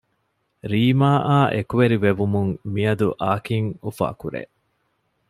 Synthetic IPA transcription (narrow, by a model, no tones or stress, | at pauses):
ɾiːmaːʔaːʔekuʋeɾiʋeʋumuŋmiɐd̪uʔaːkiŋufa̰ːkuɾḛ